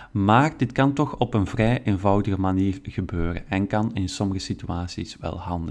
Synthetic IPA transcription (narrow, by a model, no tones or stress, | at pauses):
maːrdɪtkɑntɔxɔpənvrɛjʔeːnvɑwdəɣəmaniːrɣəbøːɾə̰nɛnkɑnɪnsɔməɣəsityaːsḭsʋɛ̰lˠɦɑndə